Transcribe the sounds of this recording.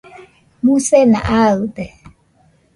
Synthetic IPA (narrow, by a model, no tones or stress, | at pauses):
musɛna̰ʔaɯt̪ɛ